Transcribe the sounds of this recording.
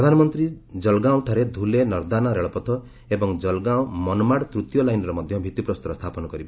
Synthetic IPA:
ɾɔd̪ʱanɔmɔnt̪ɾid͡ʒɔlɡaw̃ʈʰaɾed̪ʱulenɔɾd̪anaɾeɭɔpɔt̪ʰɔ | ebɔŋd͡ʒɔlɡaw̃mɔnɔmaɽt̪ɾut̪jɔlajnɔɾɔmɔd̪ʱjɔbʱit̪ipɾɔst̪ɔɾɔst̪ʰapɔnɔkɔɾiba

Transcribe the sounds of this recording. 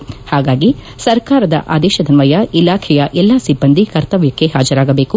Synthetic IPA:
haːɡaːɡi | sɐɾkaːɾɐd̪ɐ̰ʔaːd̪ɛːʃɐd̪ɐnʋɐjɐʔilaːkʰɛjɐʔɛlːɐsibːɐnd̪ikɐɾt̪ɐʋjɐkːe̞ɦaːd͡ʒɐɾaːɡɐbe̞ːku

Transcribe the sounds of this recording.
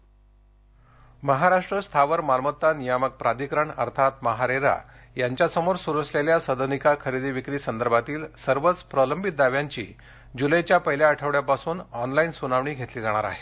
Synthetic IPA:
məɦaɾaʂʈɾəst̪ʰaʋəɾmaɾmət̪ːanijamək̚pɾad̪ikɾəɳə̰ɾt̪ʰat̪məɦaɾeɾa̰jaɲt͡ɕjasəmoɾsuɾət͡sleljasəd̪ʱənikakʰəɾid̪iʋikɾiːsənd̪əɾbʱat̪iːlsəɾʋət͡spɾələmbʱit̪̚d̪aʋjaɲt͡ɕḭː | d͡ʑuləjt͡ɕjapəɦljaːʈʰəʋɽjapasuːnɔnlainsunaʋɳ̃iːɡʱet̪liːd͡zaɽ̃aɾa̰ɦe̥

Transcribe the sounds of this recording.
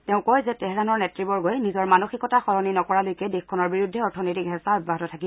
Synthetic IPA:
teʊ̃kojzɛtɛɦɛɾanɔɹnɛtɹibɔɹɡojnizɔɹmanoxikɔtaxɔɹɔninɔkɔɹalojkɛdexkʰɔnɔɹbiɹudʱːɛɔɹtʰɔnɔjtikɦɛsaɔt̚baɦɔtɔtʰakib

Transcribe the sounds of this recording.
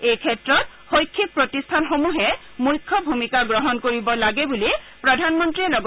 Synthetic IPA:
ejkʰɛtɹɔt̚ | xojkʰːik̚pɹotistʰanxomuɦɛ | mujkʰːɔbʱumikaɡɹɔɦɔnkoɹibɔlaɡɛbuli | pɹɔdʱanmɔntɹilɔɡ

